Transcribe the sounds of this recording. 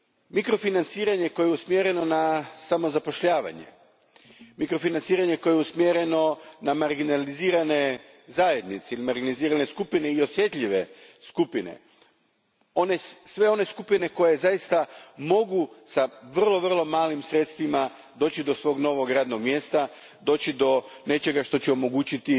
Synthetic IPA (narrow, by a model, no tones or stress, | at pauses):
mikɾo̞finant̪siːɾaɲe̞ko̞jeɛusmjeɾe̞no̞nasamo̞zapo̞ʃʎaːʋa̰ɲḛ | mikɾo̞finant̪siːɾaɲe̞ko̞jeusmjeɾe̞no̞namaɾɡinaliziːɾane̞ | zaːje̞d̪nit̪seilimaɾɡiliziːɾane̞skupineio̞sje̞t̪ʎʲiʋe̞skupinḛ | o̞nesʋe̞o̞ne̞skupine̞ko̞jezajist̪amo̞ɡusaʋrrlˠo̞ʋr̩lˠo̞maːlimsɾe̞t̪st̪ʋima | d̪o̞ːt͡ɕid̪o̞sʋo̞ːɡno̞ʋo̞ɡɾaːd̪no̞ɡmjeːst̪a | d̪o̞ːt͡ɕid̪o̞ne̞t͡ʃe̞ɡaʃt̪o̞t͡ɕɛomo̞ɡuːt͡ɕit̪i